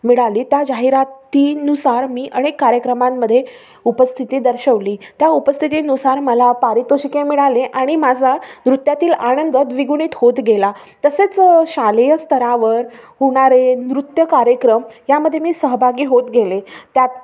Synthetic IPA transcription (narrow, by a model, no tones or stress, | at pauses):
miɽaliːt̪jad͡ʑaɦiɾat̪ːiːnusaɾmiːʔəɽ̃ekːaɾjəkɾəmamːəd̪ʱːje | upəst̪ʰit̪iːd̪əɾɕəʋliːt̪jaupəst̪ʰit̪iːnusaɾməlapaɾit̪oɕikemiɭaleʔaɽ̃imad͡zʱanɾut̪jat̪iːlañənd̪ət̪ʋiɡuɽ̃iːt̪hot̪ɡela | t̪əset͡sɕalejəst̪ʰəɾaʋəɾɦuɽ̃aɾenɾut̪jəkaɾjəkɾəmjaməd̪ʱːjemiːsəɦbʱaɡiːɦot̪ɡelet̪jat̪̚